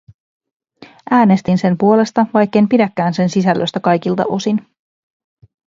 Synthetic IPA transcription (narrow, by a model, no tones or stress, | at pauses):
ʔæːne̞st̪inse̞mpuo̞le̞st̪ɑʋɑjkːe̞jmpidækːæːnse̞nsisælːøst̪ækɑjkilt̪ɑ̰ʔo̞sin